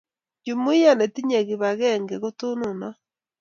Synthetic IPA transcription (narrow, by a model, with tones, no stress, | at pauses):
d͡ʒu˨mu˦i˦ja˦˨ne˨ti˦ɲe˨ɣi˨βa˨ɣɛ˦ŋɡe˨ɣo˦to˦nu˨nɔ˦